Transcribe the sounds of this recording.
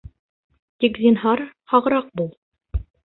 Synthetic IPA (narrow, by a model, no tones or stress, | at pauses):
t̪ikzʲinɦɑɾhɑʁɤ̆ɾɑq̚bulˠ